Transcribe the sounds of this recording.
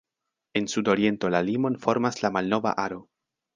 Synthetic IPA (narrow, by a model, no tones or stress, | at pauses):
e̞nsudo̞ɾie̞nto̞lalimo̞nfo̞ɾmaslamalnova̰ʔaɾo̞